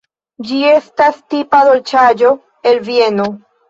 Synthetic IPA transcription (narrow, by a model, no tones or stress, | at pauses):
d͡ʒie̞stastipad̪o̞lt͡ʃad͡ʒo̞ | e̞lvie̞no